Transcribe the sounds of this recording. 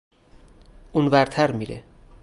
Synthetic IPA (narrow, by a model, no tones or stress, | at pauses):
ʔunvæɾt̪ʰæɾmiːɾḛ